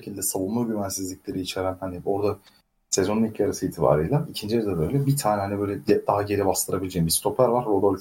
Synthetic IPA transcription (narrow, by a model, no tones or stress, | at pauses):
ecʰilʲd̪ɛsalunːˠuɾɟyvænsizlʲicʲlʲe̞ɾiːt͡ʃʰeɾænhanio̞ɾd̪a | sezo̞nunicʰaɾasɯiːt̪ʰiba̰ːɾijlˠaicʰind͡ʒijeɾɛd̪ɛbø̞jlʲɛbit̪ʰaːnɛɦanibø̞jlʲɛd̪ɛd̪aɦaɟe̞ɾibast̪ʰɯɾabilʲed͡ʒeimbist̪ʰo̞pʰæɾvaɾːo̞d̪olʲ